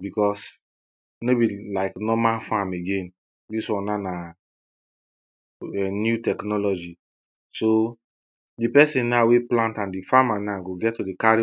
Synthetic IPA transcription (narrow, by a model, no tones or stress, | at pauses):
bikɔs | nebilaɪknɔmalfameɡẽn | diswɔ̃nana | ɛnjutɛknɔlɔd͡ʒi | so | dipɛsĩnnaweplãntãndifamanaɡoɡɛttːudikaɾi